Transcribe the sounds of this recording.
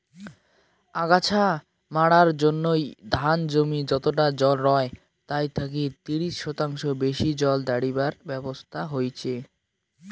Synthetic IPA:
aɡat͡ɕʰa | maɽaɾd͡ʑonːojd̪ʱand͡ʑomid͡ʑɔt̪oʈ̬ad͡ʑɔlɾɔe | t̪ajt̪ʰak̬it̪iɾiʃːɔt̪aŋʃobeʃid͡ʑɔld̪aɽibaɾbɛbost̪ʰaɦojt͡ɕʰe

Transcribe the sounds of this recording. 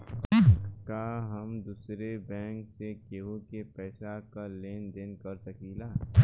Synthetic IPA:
kaːɦɐmd̪uːsɾebɛ̃ːŋksekeɦokepɛːsakaleːnd̪eːnkɐɾsɐkiːlaː

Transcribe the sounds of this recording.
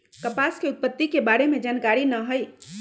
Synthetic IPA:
kəpaskeut̪̚pːət̪ːikebaɽemed͡ʒankaɾinəɦəj

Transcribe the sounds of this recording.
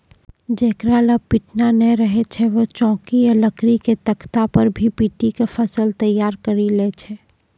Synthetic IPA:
d͡ʒeːkɾaləpiʈnanɛɾəɦet͡ʃʰɛʋot͡ʃɔ̃ːkijələkɾiket̪əkʰt̪apəɾbʱipiʈikefʰɐsəlt̪əjːaːɾkəɾilet͡ʃʰɛ

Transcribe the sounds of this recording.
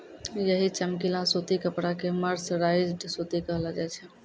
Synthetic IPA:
jəɦit͡ʃəmkilãsot̪ikəpɽakeməɾsɾaɪd͡ʒɖsot̪ikəɦlad͡ʒajt͡ʃʰɛ

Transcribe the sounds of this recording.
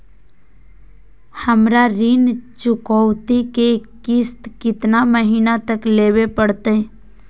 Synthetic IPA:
hɐmɾaɾɪnt͡ʃʊkɔwt̪ikekɪst̪kɪt̪naməɦiːnat̪əkleːwepəɽt̪eɦɛ

